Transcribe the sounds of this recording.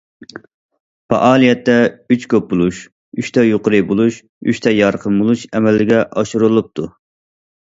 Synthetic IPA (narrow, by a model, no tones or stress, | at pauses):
pɑ̰ʔɑːlˠijɛt̪ːɛyt͡ʃkʰʲøp̚bulˠuʃ | yʃt̪ʰɛjoqəɾɨbolˠuʃ | y̰ʃt̪ʰɛjɑɾqʰəmbolˠuʃɛmɛlːɪɡʲɛʔɑʃuɾɨlˠɨp̚t̪ʰu